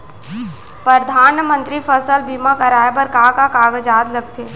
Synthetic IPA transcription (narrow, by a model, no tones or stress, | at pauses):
pɾəd̪ʱaːnmə̃nt̪ɾifəsəlbʱimãkɐɾaːebəɾkaːkakaːɡəd͡ʒaːd̪lɐɡ̚t̪ʰeː